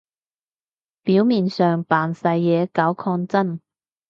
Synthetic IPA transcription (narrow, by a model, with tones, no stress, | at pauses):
piː˨˥wmiː˨nsœː˨ŋpaː˨nsɐ˧jːɛː˨˧kɐ˨˥wkʰɔː˧nt͡sɐ˥˩n